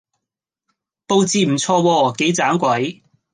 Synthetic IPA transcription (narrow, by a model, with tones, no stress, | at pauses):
po˧wt͡siː˧m̩˨˩t͡sʰɔː˧wɔː˧ke˨˥jt͡saː˨˥mkʷɐ˨˥j